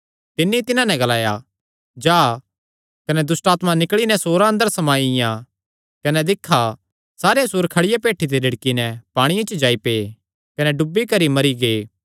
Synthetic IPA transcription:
t̪ɪnːit̪ɪnãnɛ̃ɡɐlaːja | d͡ʒaː | kɐnɛd̪ʊsʈaːt̪mãnɪkɭinɛsoːɾaɐ̃nd̪əɾsɐmaːijã | kɐnɛd̪ɪkʰːa | saːɾesuːɾkʰɐɽɪjapeːʈʰːit̪̬elɐɽkinɛpaːɽ̃ɪjãt͡ʃəd͡ʒaːipeː | kɐnɛɖʊbːikɐɾimɐɾiɡeː

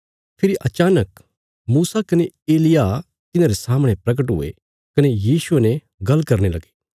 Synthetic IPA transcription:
pʰɪɾiʔɐt͡ʃaːnək | muːsakɐneeːlɪja | t̪ɪnãːɾesaːməɽ̃epɾɐɡəʈɦʊ̰ḛ | kɐnejiːsʊenɛ̃ | ɡɐlːkɐɾnelɐɡe̥ː

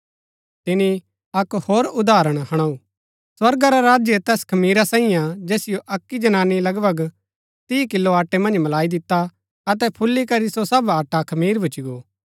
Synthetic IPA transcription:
t̪ɪni | ɐkhoːɾʊd̪aːɾəɽ̃hɐɽ̃aːu | swɐɾɡaɾaɾaːd͡ʒjet̪ɛːskʰɐmiːɾasãːĩjãd͡ʒeːsɪjoʔɐkːid͡ʒɐnaːnːilɐɡbɐɡ | t̪iːkɪlːoaːʈːemɐ̃nd͡ʒmɐlaːid̪ɪt̪ːa | ɐt̪ɛpʰʊlːikɐɾisosɐbaːʈakʰɐmiːɾbʱʊt͡ʃiɡoː

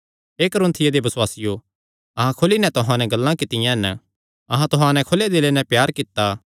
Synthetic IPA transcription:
eːkɐɾõːnt̪ʰɪjad̪ebɐswaːsɪjo | ɐɦãkʰʊlinɛ̃t̪ʊɦãnɛ̃ɡɐlːãkɪt̪ːɪjãɛn | ɐɦãt̪ʊɦãnɛ̃kʰʊled̪elenɛ̃pjaːɾkɪt̪ːa

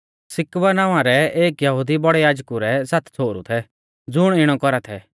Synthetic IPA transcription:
sɪkʋənaːʋãɾɛeːkjɐɦud̪ibɔɽɛjaːd͡ʒkuɾɛsat̪ʰt͡sʰoːɾṵt̪ʰɛ | d͡zʊɽ̃ɪɽ̃ɔkɔɾat̪ʰɛ

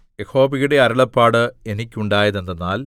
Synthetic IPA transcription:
jeho̞ːbiɣuɽe̞ɐɾɐɭɐpːaːɽɨe̞nikʲːuɳɖaːjɐðend̪enːaːl

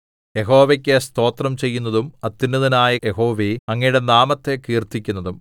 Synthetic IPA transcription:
je̞ɦo̞ːʋekʲːest̪o̞ːt̪rɐmt͡ɕe̞jːunːɐðumɐt̪ːinːɐðinaːjɐjeɦo̞ːʋeɐŋːɐjuɽe̞naːmɐt̪ːe̞kiːrt̪ikʲːunːɐðum

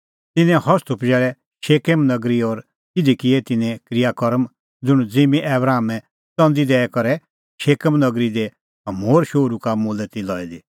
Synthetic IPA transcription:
t̪ɪnɛ̃hɦɔst̪upd͡ʒɛːɾɛ | ʃeːkemnɐɡɾiɔɾ | ɪd̪ikɪɛt̪ɪnɛ̃kɾɪjakɔɾəm | d͡zʊɽ̃d͡zeːmiʔɛːbɾaːmɛ̃ | t͡sɔ̃nd̪id̪ɛːɛkɔɾɛ | ʃeːkəmnɐɡɾid̪e | moːɾʃoːɾukamuːlət̪ilɔːɛd̪i

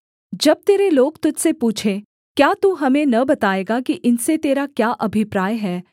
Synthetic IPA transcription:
d͡ʒɐb̚t̪eːɾeloːɡt̪ʊd͡ʒsepuːt͡ʃʰe | kjaːt̪uːɦɐmẽnɐbɐt̪aːeːɡakiʔɪnset̪eːɾakjaːʔɐbʱɪpɾaːjɦɛː

